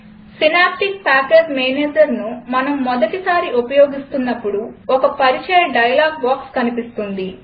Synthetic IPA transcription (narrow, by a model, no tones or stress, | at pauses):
sinaːp̚ʈik̚paːkeːd͡ʒmeːneːd͡ʒɐɾnumɐnɐmːɔd̪ɐʈisaːɾiʔupɐjoːɡist̪unːɐpːuɽuɔkɐpɐɾit͡ʃɐjɐɖɐjɐlaːɡ̚baːkskɐnipist̪und̪i